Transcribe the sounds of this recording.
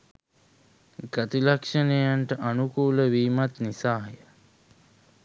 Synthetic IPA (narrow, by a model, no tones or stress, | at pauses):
ɡat̪ilakʂənejaɳʈəʔanukuːləʋiːmat̪nisaːɦjə